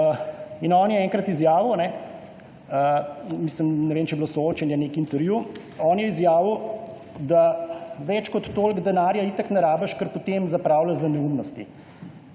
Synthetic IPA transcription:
inɔːnjɛɛŋkɾɐt̪izjaːʋiwnɛ | misləmnɛʋeːmt͡ʃɛjbilosɔooːt͡ʃɛnjɛnekint̪ɛɾju | ɔːnjɛizjaːʋiw | d̪aʋɛt͡ʃkɔt̪ːoːlɡd̪ɛnaːɾjait̪aknɛɾaːbɐʃkəɾpot̪emzapɾaːwlazd̪ɐnɛumnɔst̪ḭ

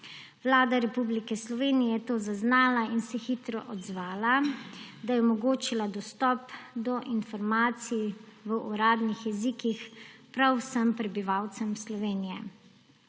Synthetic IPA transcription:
ʋlaːd̪aɾɛpublikɛslɔʋeːnijɛt̪oːzaznaːlainsɛxiːt̪ɾɔ̰ʔɔd̪zʋaːlad̪ajɛɔmɔɡoːt͡ʃilad̪ɔst̪ɔpd̪ɔʔinfɔɾmaːt̪siiʋəʔuɾaːd̪nixjɛziːkixpɾawsəmpɾɛbiʋawt̪sɛmslɔʋeːnijɛ

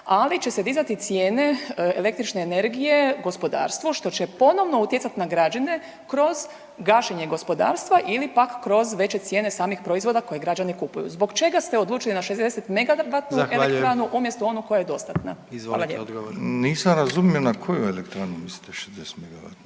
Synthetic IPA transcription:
alit͡ʃe̞sed̪izat̪it̪sjeːne̞ele̞kt̪ɾit͡ʃne̞ːne̞ɾɡije̞ɡo̞spo̞d̪a̰ːɾst̪ʋuʃt̪o̞t͡ɕepo̞no̞ʋno̞ut̪jesat̪inaɡɾad͡ʒane̞ | kɾo̞z | ɡaʃeɲe̞ɡo̞spo̞d̪a̰ːɾst̪ʋaʔilipakːɾo̞zʋe̞t͡ɕe̞t̪sjeːne̞saːmixpɾo̞izʋo̞d̪akoje̞ɡɾad͡ʒanikupujṵzbo̞ɡt͡ʃe̞ɡast̪eo̞d̪lˠuːt͡ʃilinaʃezd̪e̞set̪meɡaʋat̪nuelek̪ɾanuʔumjest̪oo̞nuko̞jajed̪o̞st̪at̪naiza̰laʎḛpd̪niːsamɾazumionakʰo̞juelekt̪ɾanumisli̥t̪eʃezd̪ese̥t̪meɡaʋa̰t̪

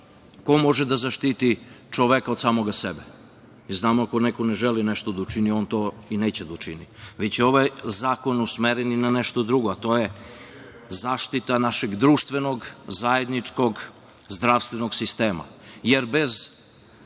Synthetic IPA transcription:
ko̞mo̞ʒed̪azaʃt̪it̪it͡ʃoʋekad̪saːmoɡasebe | iznaːmoako̞nekoneʒelineʃt̪od̪aut͡ʃinio̞nt̪o̞ineːt͡ɕed̪aut͡ʃiniʋet͡ɕeo̞ʋajzaːko̞nusmeɾeninaneʃt̪od̪ɾuɡoat̪o̞je | zaːʃt̪it̪anaʃeɡd̪ɾuːʃt̪ʋenoɡzajed̪nit͡ʂko̞ɡ | zd̪ɾafst̪ʋenoɡsist̪eːma̰jeɾbez

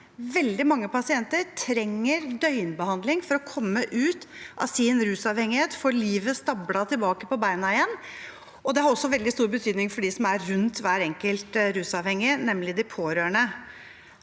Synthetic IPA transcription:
ʋɛld̪ɪmɑŋːəpɑsɪɛnt̪əɾʈʰɾɛŋːəɾd̪œʏnbəhɑnd̪lɪŋfɔɾɔkʰɔmːəʔʉːt̪ʔɑ̰sɪnɾʉːsɑʋhɛŋːɪheːt̪fɔliːʋəst̪ɑblɑt̪ʰɪlbɑːkəpɔbæɪnɑɪɛnː | ɔd̪ɛhɑɾɔsːɔʋɛld̪ɪst̪uːɾbət̪ʰyːd̪nɪŋfɔɖisɔmæɾɾʉnt̪ʋæːɾɛŋkəlt̪ɾʉːsɑʋhɛŋːɪnɛmlɪd̪ɪpʰoːɾøːɳə

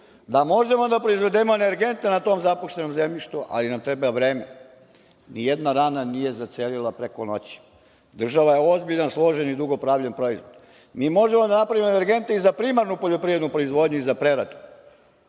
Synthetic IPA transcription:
d̪amo̞ʒe̞mo̞d̪apɾo̞izʋe̞d̪emoene̞ɾɡe̞nt̪e̞nat̪o̞ːmzapoʃt̪e̞no̞mzemʎiʃt̪uʔa̰linamt̪ɾebaʋɾe̞ːme | nijed̪naɾaːnanije̞zat̪seːlilapɾekono̞t͡ɕi̥ | d̪r̩ʒaʋaje̞o̞zbiʎanslˠo̞ʒenid̪uɡo̞pɾaːʋʎenpɾo̞izʋo̞d̪ | miːmo̞ʒemod̪anapɾaʋimoene̞ɾɡe̞nt̪e̞izapɾimaɾnupoʎo̞pɾiʋɾe̞d̪nupɾo̞izʋo̞ːd̪ɲuizapɾe̞ɾad̪u̥

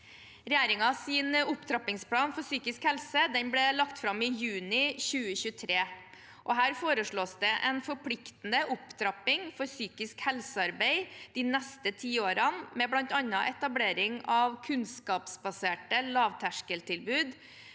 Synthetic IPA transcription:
ɾɛjeːɾɪŋɑsɪːnʊpt̪ʰɾɑpɪŋspʰlɑːnfɔɾsyːkɪskhɛlsəd̪ɛnblɛlɑkt̪fɾɑmɪjʉːnɪçʉːəçʉːət̪ʰɾeː | ʔɔɦæːɾfoːɾəʂɭoːsd̪ɛʔɛnfɔɾpʰlɪkt̪nəʔʊpt̪ʰɾɑpɪŋfɔɾsyːkɪskhɛlsəɑɾbæɪd̪̥iːnɛst̪ət̪ʰiːoːɾɑnmɛblɑnt̪ɑnɑʔɛt̪ɑbleːɾɪŋɑʋkʰʉnskɑːpsbɑseːʈəlɑːʋt̪ʰæʂkəlt̪ɪlbʉːd̪

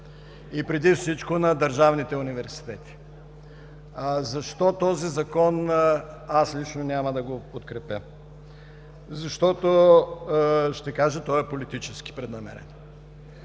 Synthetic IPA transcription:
ipɾɛd̪ifsit͡ʃkonɐd̪ɐɾʒavnit̪ɛunivɛɾsi̥t̪ɛt̪i̥ | zɐʃt̪ɔt̪ɔzizɐkɔn | aslit͡ʃnonʲamɐd̪ɐɡopot̪kɾɛpəm | zɐʃt̪ɔt̪o | ʃt̪ɛkaʒət̪ɔɛpolit̪it͡ʃɛsk̟i̥pɾɛd̪nɐmɛ̰ɾɛ̰no

